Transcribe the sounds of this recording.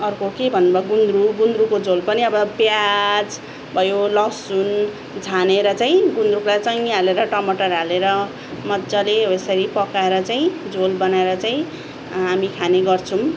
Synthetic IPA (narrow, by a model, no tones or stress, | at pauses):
ʌrkokebʱʌnːubʱʌɡund̪ɾuɡund̪rukod͡zolpʌniʌbʌbjad͡z | bʱʌjolʌsun | d͡zʱaneɾʌt͡saĩɡund̪ɾuklat͡sʌĩaleɾʌʈʌmʌʈʌraleɾʌ | mʌt̪d͡zʌleesʌɾipʌkaeɾʌt͡saĩd͡zolbʌnaeɾʌt͡saĩ | amikʰaneɡʌrt͡sʰũ